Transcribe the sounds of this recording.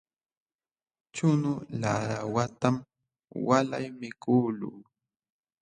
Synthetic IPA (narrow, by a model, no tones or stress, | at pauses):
t͡ʃʊnʊlaɾawat̪am | wala̰jmɪkuːlṵː